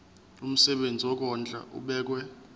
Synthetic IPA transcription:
um̩sɛɓend͡zʱiwɔk̬ɔnd͡ɮʱʼa̰ʔṵɓɛːk̬wɛ

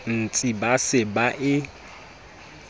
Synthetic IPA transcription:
n̩t͡sʼibasɪbaʔɪ

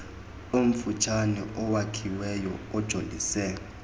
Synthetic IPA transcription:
om̩fut͡ʃʰanɛʔɔwakʰiwɛjɔ̰ɔd̥ʒ̥ʱoldʱisɛ

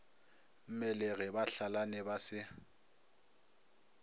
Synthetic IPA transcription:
m̩mɛlɛɣɛbaɬalanɛbasɪ

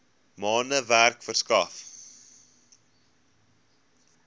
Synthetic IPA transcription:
mɑːnəværkfərskɑf

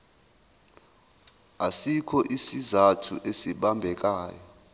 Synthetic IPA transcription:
asikʰɔʔisizatʰṵʔesiɓambʱɛk̬ʼaːjɔ

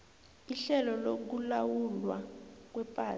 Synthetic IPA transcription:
iɬɛlɔlok̬ulawulwak̬wɛpʼaː

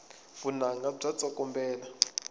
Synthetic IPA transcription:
vunaŋɡab͡ʐʷat͡sʼɔkʼɔmbɛːla

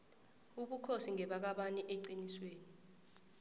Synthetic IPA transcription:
uɓukʰosiŋɛɓak̬aɓanɛʔeǀinisweːni

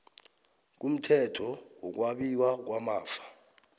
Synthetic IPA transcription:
k̬um̩tʰɛtʰɔwɔk̬waɓiwak̬wamaːfḁ

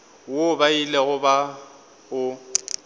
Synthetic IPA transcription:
wobaileɣʊba | ʊ

